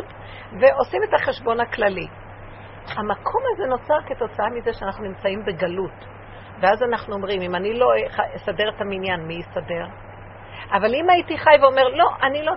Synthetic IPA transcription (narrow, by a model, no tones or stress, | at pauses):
t | ve̞o̞sime̞taχe̞ʃbo̞naklali | hamakʰo̞mazeno̞t͡saʁke̞to̞t͡saamizeʃeanaχnunimt͡saimbe̞ɡalut | veazanaχnuo̞mʁimimanilo̞χaesade̞ʁetaminjanmiisade̞ʁ | ʔavalimaitiχajveo̞me̞ʁlo̞ʔanilo